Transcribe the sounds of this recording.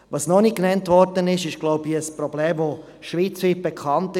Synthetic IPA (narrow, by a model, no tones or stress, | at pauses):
vɑsnɔnikːnɛntvɔɾdənɪʃɪʃɡ̥lɔʊbiəsprɔbleːmvo | ʃviːt͡ship̚b̥ɛkʰɑntɪ